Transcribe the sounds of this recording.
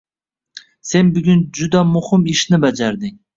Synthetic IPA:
se̞nbʊɡʲʊnd͡ʒʊd̪amʊhɪmɪʃnɪbad͡ʒaɾd̪ɪŋ

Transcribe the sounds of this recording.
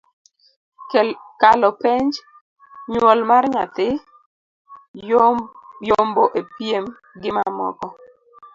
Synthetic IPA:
kalɔpeɲd͡ʒ | ɲwɔlmarɲat̪ɪ | jomboʔepjem | ɡɪmamɔ̰kɔ

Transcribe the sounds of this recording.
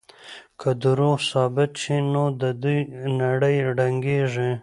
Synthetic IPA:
kʰad̪ʊɾusɑːbɪt̪ʃinod̪əd̪ujnaɽəjɖaŋɡeʐi

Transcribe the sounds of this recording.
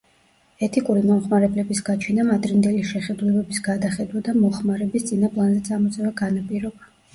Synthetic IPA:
ɛt̪ʰikʼuɾimɔmχmaɾɛblɛbisɡat͡ʃʰinamad̪ɾind̪ɛliʃɛχɛd̪ulɛbɛbisɡad̪aχɛd̪wad̪amɔχmaɾɛbist̪sʼinapʼlˠanzɛt̪sʼamɔt̪sʼɛvaɡanapʼiɾɔba

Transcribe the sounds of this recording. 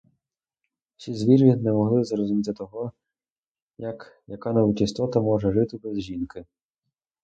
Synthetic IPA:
sʲizʲʋʲiɾinɛmɔɦlˠɪzrɔzʊmʲit̪ɪt̪ɔɦɔ | jɐkjɐkɑnɐut͡ʃʲist̪ɔt̪ɐmɔʒɛʐɪt̪ɪbɛzʒinkɪ

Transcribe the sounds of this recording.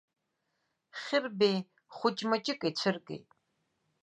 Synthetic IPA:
χɪrbeː | χʷʊt͡ʃʼmɐt͡ʃʼɪkʼeːt͡ɕʰɨrkʼḛː

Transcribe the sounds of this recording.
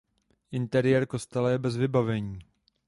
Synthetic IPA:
ʔɪnt̪ɛɾɪjɛɾko̞st̪ɛlɛjɛbɛzvɪbavɛɲiː

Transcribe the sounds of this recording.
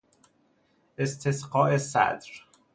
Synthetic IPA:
ʔest̪ʰesqɒːʔesæ̰d̪ɾ

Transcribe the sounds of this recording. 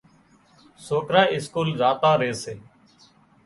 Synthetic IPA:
soːkɾaːɪskuːlzaːt̪aːɾeːseː

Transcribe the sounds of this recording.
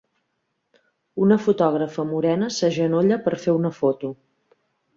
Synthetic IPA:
unəfut̪ɔɣ̞ɾəfəmuɾɛnəsəʒənoʎəpəɾfeunəfot̪u

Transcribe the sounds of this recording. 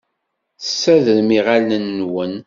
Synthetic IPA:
θəsːæðəɾmiʁalnənːwən

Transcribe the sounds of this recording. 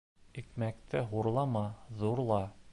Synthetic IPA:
ikmæk̚t̪ʰɘɦuɾlˠɑmɑðuɾlˠɑ

